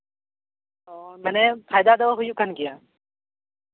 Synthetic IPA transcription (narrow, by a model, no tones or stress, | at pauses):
ɔmɛːnepʰaːjd̪ad̪ɐʋaɦʊjũkənkɪjaː